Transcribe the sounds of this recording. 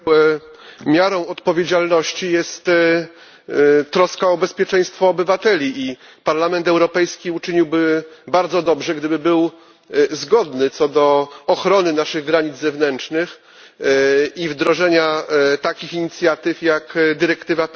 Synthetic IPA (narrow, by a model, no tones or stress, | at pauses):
mʲjaɾɔ̃w̃ɔt̪pɔvʲjed͡ʑalnɔɕt͡ɕijɛst̪ | t̪ːɾɔskaɔbɛspʲjɛt͡ʂɛ̃j̃st̪fɔːbɘvat̪ɛlʲiʔi | paɾlamɛnt̪ɛwɾɔpɛjskʲiut͡ʂɘɲiwbɘbaɾd̪zɔd̪ɔbʐɛɡd̪ɘbɘbɘw | zɡɔd̪nɘt̪sɔd̪ɔːxɾɔnɘnaʂɘɣɡɾaɲid̪zzɛvnɛnt͡ʂnɘx | ivd̪ɾɔʐɛɲat̪akʲixiɲit̪sʲjat̪ɘfjakd̪ɘɾɛkt̪ɘva